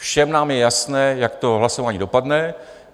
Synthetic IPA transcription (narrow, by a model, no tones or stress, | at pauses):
fʃɛmnaːmjɛjasnɛːjakt̪o̞ɦlaso̞vaːɲiːdo̞padnɛ